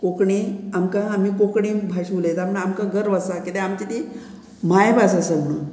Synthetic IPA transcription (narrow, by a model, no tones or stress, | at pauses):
kokɳiamkãamiːkokɳiːbʱaɕulet̪amɳamkãɡəɾʋasakit̪ẽamt̪it̪ʰi | m̤ajbʱasasəm̤əɽ̃un